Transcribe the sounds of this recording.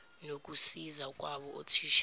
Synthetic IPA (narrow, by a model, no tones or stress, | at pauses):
nok̬ʼusizakʼwaɓɔo̰tʰiʃ